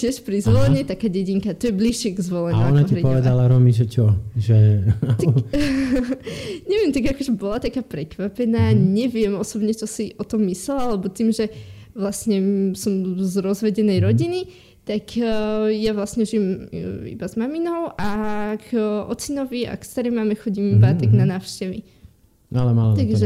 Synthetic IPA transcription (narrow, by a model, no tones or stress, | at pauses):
cɪɛʃpɾizʋɔlɛɲɛt̪akaːɟɛɟiŋkat̪ɔjɛbliʃɪɛɡzʋɔlɛɲaaɔnaiɾɛpɔʋɛd̪alaɾɔmiʒɛt͡ʃɔʒɛ | ɲɛʋɪɛmt̪aɡakɔʒɛbɔlat̪akaːpɾɛkʋapɛnaːɲɛʋɪɛmɔsɔbɲɛt͡ʃɔsiʔɔt̪ɔmːislɛlalɛbɔt̪iːmʒɛʋlasɲɛsɔmzɾɔzʋɛɟɛnɛjɾɔɟini | t̪akjaʋlasɲɛʒijɛmḭbazmaminɔʊʔaɡɔ̰t͡sinɔʋia̰kst̪aɾɛjmaːmɛxɔɟimaːt̪ɛɡnanaːʊʃcɛʋi | ʔalɛmalaaɡʒɛ